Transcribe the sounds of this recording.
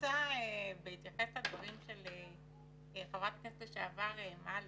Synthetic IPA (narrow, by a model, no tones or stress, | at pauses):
aebeit̪jaχestad̪vaʁimʃele | χavʁat̪̚kesteʃeavaʁemal